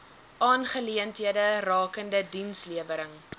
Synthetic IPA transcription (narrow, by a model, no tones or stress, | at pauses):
ʔɑːnχəliəntɦiədərɑːkəndədinsliəvəɾəŋ